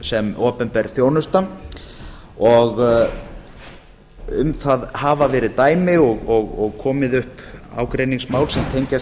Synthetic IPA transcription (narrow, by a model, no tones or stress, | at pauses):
sɛmoːpʏnpɛɾθjoːwnʏst̪a | ɔɣ | ʏmθaðhaːvavɛːɾɪðt̪aːjmɪɔɣɔɣɔɣkʰɔːmɪðʏhpa̰ːwkɾejniŋsmaːwlsɛmt̪ʰejɲcas